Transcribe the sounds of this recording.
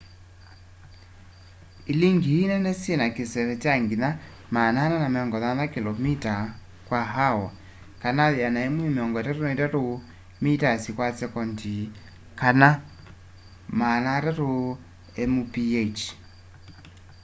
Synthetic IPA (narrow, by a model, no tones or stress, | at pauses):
iliŋɡiinɛnɛsienakesɛɾɛt͡ʃaŋɡiða | manananamɛɔŋɡɔðaðakilɔmita | kwaɦawɔ | kanaðjanaemwemeɔŋɡɔtɛɾonɛtɛɾo | mitasikwasɛkɔnti | kana | manatɛɾo | ɛmupiet͡ʃ